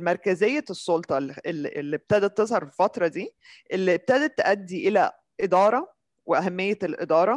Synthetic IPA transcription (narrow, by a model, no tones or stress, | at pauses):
mæɾˤkæzejːæsˤːolt̪ˤɑellːib̚t̪æd̪æt̪ːezhɑɾˤfefɑt̪ɾˤɑd̪iː | ʔelːib̚t̪æd̪æt̪ːʔæd̪ːiʔelæ | ʔed̪ɑːɾˤɑ | weʔæɦæmːejːeelʔḛd̪ɑːɾˤɑ